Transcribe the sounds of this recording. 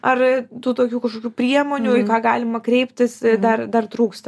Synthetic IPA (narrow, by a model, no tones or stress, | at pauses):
ɐrt̪uːt̪oːkʲuːkɐʃkoːkʲuːpʲɾʲiɛmoːnʲuɪkɑːɡɑːlʲɪmɐkɾʲɛɪpʲt̪ʲɪsd̪ɐrd̪ɐrt̪ɾuːkst̪ɐ